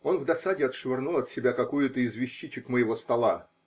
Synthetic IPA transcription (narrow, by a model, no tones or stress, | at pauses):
o̞nvd̪ɐsadʲɪɐt̪ʂvʲɪrnulˠɐt̪sʲɪbʲakɐkujʊt̪əɪzvʲɪɕːit͡ɕɪkməjɪvo̞st̪ɐlˠa